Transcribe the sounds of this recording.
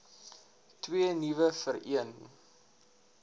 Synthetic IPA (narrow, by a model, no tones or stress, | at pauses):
twiənivəfəɾḭən